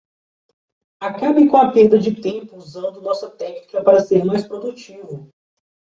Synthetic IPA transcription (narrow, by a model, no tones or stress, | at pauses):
akabɪkõɐpeɾd̪ɐd͡ʒɪt̪ẽmpʊuzɐ̃nd̪ʊnɔsɐt̪ɛknikɐpaɾɐseɾmajspɾod̪ut͡ʃivʊ